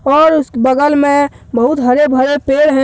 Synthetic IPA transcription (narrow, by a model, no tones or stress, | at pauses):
ɔːɾʊskbəɡəlmẽ | bəɦut̪ɦəɾebʱəɾepeːɽɦɛ̃